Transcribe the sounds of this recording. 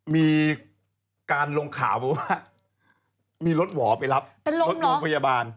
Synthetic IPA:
miː˧ | kaː˧nlo˧ŋkʰa̰ː˩˦wbɛ˧˩waː˦˥˩ | miː˧lo˦˥t̪̚wɔː˩˦pa˧jla˦˥p̚pe˧lo˧˦˥lɔ˧˨˦pʰa˧jaː˧baː˧n

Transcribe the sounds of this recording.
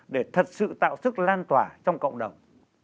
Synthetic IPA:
ɗe˧˩t̪ʰə˨˩t̚sɨ̰˧˨t̪a̰ː˧˨wsɨ˦˥k̚laː˧nt̪waː˧˩t͡ɕɔ˧wŋ͡mkə̰˧˨wŋ͡mɗə˨˩wŋ͡m

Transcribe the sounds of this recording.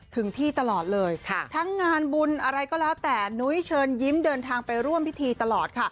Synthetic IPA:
t̪ʰɯ˩˦ŋt̪ʰiː˥˩t̪a˧lɔː˨˩t̪̚lɤː˧jkʰt̪ʰa˦˥ŋːaː˧nbu˧nʔa˧ɾa˧jkɔː˥˩lɛː˦˥wt̪ɛː˨˩nu˦˥jt͡ɕʰɤː˧nji˦˥mdɤː˧nt̪ʰaː˧ŋpa˧jɾu˥˩əmpʰi˦˥t̪ʰiː˧t̪a˧lɔː˨˩t̪̚kʰa˥˩

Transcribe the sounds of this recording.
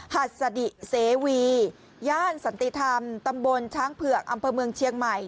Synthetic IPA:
ha˨˩t̪̚sa˧di˨˩seː˨˩˦wiː˧ | jaː˥˩nsa˩˦nt̪i˧˨t̪ʰa˧mt̪a˧mbo˧nt͡ɕʰaː˦˥ŋpʰɯ˨˩ək̚ʔa˧mpʰɤː˧mɯ˧əŋt͡ɕʰi˧əŋma˨˩j

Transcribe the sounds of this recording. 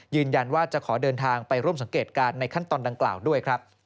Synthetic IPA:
jɯː˧nja˧nwaː˥˩t͡ɕa˨˩kʰɔː˩˦dɤː˧nt̪ʰaː˧ŋpa˧jɾu˥˩əms̬a˩˦ŋkeː˨˩t̪̚kaː˧nːa˧jkʰa˥˩nt̪ɔː˧nda˧ŋkla̰ː˨˩wdu˥˩əjkʰɾa˦˥p̚

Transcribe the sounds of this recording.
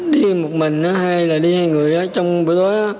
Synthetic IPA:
ɗi˧mo˨˩t̚mï˨˩ŋ̟ʔaː˨˦ha˧jlaː˨˩ɗi˧haː˧jŋɨ˨˩əjʔaː˨˦t͡ɕɔ˧wŋ͡mvi˨˦t̪o˨˦jʔaː˨˦

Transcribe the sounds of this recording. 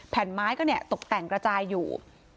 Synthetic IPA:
pʰɛ˨˩˦nmaː˦˥jkɔː˥˩ni˥˩ət̪o˨˩k̚t̪ɛ˨˩ŋkɾa˧t͡ɕaː˧jːuː˨˩

